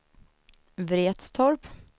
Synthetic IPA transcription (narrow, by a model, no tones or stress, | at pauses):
vɾeːt̪st̪ʰɔɾp